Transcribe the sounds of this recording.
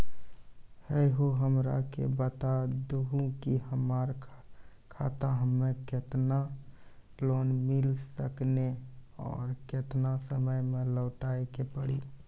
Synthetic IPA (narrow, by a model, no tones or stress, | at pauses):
hɛɦoɦəmɾa̰kḛbət̪ad̪uɦũkihəmaːɾ | kʰa̰t̪aɦəmːẽkɪt̪na | loːnmɪlsəkneɔ̰ːɾkɪt̪nasəməjmẽlɔːʈaekepəɽi